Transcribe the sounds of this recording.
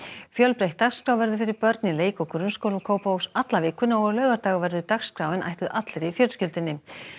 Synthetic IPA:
fjœlpɾejht̪ːaxskɾawvɛɾðʏfɪɾɪɾ̥pœɾt̪nɪleːjkɔkɾʏnskowlʏkʰoːwpawksat̪lavɪːkʰvʏnaɔɣlœːɣaɾt̪aːɣavɛɾðʏt̪axskɾawɪna̰jht̪ʏðʔat̪lɾɪfjœlscʏlt̪ɪnːɪ

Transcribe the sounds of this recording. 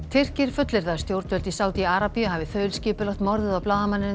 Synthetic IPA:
t̪ʰɪr̥cɪɾ̥fʏt̪lɪɾðḁst̪jowɾt̪vœlt̪isaːwt̪iaɾapiʏɦaːvɪθœːɥlscɪːpʏlɔwt̪mɔɾðɪðawplaːwðamanːɪn

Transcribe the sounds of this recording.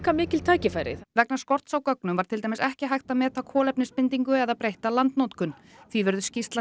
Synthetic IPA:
kamɪːcɪlt̪ʰaːjcɪfajɾɪ̰vɛknḁskɔr̥t̪sawkœknʏmvaɾt̪ʰɪlt̪ajmɪsɛhcɪɦajxt̪amɛːt̪akʰɔːlɛpnɪspɪnt̪iŋkʏɛðaðpɾejht̪alant̪nowt̪kʏn | θvivʏɾðʏscist̪la

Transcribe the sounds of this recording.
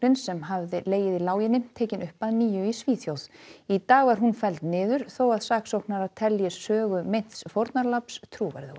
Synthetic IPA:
ɪnsɛmɦavðɪleːjɪðilaːwjɪnɪmt̪ʰeːcɪnʏhpaðniːjʏisviːθjowðit̪aːɣvaɾ̥ɦunfɛlt̪nɪːðʏɾ̥θowaðsaːksowknaɾaðt̪ʰɛljɪssœːɣʏmejn̥t̪sfoɾt̪naɾlapst̪ʰɾuːva̰ɾðʏ

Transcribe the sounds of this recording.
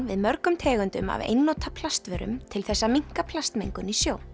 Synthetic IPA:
vɪðmœɾkʏmt̪ʰɛːɣʏnt̪ʏma̰vḛjnːoːt̪ʰapʰlast̪vɛɾʏ̰mt̪ʰɪlθɛsːamiŋ̥kapʰlast̪meŋkʏnisjoːw

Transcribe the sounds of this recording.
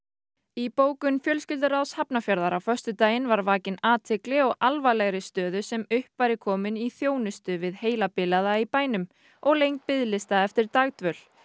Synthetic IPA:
ipoːwkʏnfjœlscɪlt̪ʏɾawshapnafjaɾðaɾawfœr̥st̪ʏt̪aːjɪnvaɾvaːcɪnaːt̪ʰɪklɪɔɣalvajlɛɣɾɪst̪œːðʏsɛmʏhpvaɾɪkʰɔːmɪniθjoːwnɪst̪ʏvɪðheːjlapɪlaðaipaːjnʏm | ɔɣlejŋt̪̚pɪðlɪst̪aɛft̪ɪɾt̪aɣt̪vœl̥

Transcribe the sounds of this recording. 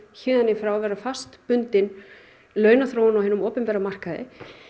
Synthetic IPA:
çɪːðanːɪfɾawvɛːɾafast̪pʏnt̪ɪn | lœːɥnaθɾoːwnawɦɛɪnʏmɔːpɛmpɛɾamar̥kaðɪ̰

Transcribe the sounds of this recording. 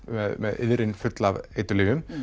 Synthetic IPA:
mɛðmɛðɪ̰ðɾɪnfʏt̪lavejt̪ʏliːvʏm

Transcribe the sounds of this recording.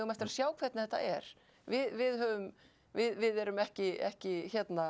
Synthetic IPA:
ɣʏmɛft̪ɪɾaðsjaːwkʰvɛt̪nθɛt̪ːa̰ʔɛɾ̥ | vɪðvɪðɦœːvʏm | vɪðvɪðɛɾʏmɛhcɪɛ̰hcɪçjɛt̪na

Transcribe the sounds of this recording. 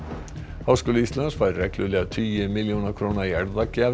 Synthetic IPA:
hawskʏlʏist̪lansfajɾːɛklʏlɛɣat̪ʰyːjʏmɪljownakʰɾownaiɛɾðacaː

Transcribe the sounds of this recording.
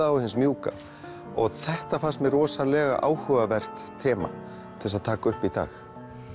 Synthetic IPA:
aawhɪnsmjuːka̰ | ɔɣθɛht̪afarst̪mɛrɔːsalɛːɣa̰ʔa̰ːwhœːvavɛr̥t̪ʰːɛːma̰ | t̪ʰɪlsaðt̪ʰaːkaʏhpit̪a̰ːx

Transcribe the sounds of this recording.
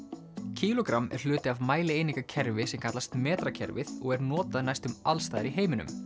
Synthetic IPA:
cʰiːlɔkɾamːɛ̰ɾ̥l̥ʏːt̪ɪavmaːjlɪejniŋkacʰɛɾvɪsɛmkʰat̪last̪mɛːt̪ɾacʰɛ̰ɾvɪðɔɣɛɾnɔːt̪aðnajst̪ʏmalst̪aːjðɪɾiɦeːjmɪnʏ̰m

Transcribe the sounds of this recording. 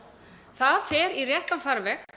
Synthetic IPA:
θaðfɛːɾirjɛht̪anfaɾvɛx

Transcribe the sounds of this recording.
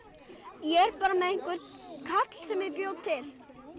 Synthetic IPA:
jɛɾpaːɾamɛðɪŋ̥kʏɾt̪kʰat̪l̥sɛmɛðpjoːwt̪ʰːɪl̥

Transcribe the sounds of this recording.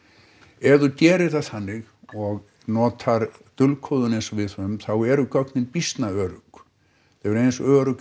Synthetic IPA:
ɛðucɛːɾɪɾ̥θað̥θanːɪɣ | ɔɣ | nɔːt̪ʰaɾt̪ʏlkʰɔwðʏnejnsɔvɪðhʏmθawɛɾʏkœknɪnpist̪naœːɾʏk | θɛvɛɾejnsœːɾʏk

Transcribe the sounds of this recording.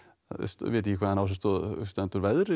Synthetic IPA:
st̪veːt̪ɪcːɪkʰvaːðanaws̬ɪst̪ɔð̰st̪ɛnt̪uɾvɛðɾ

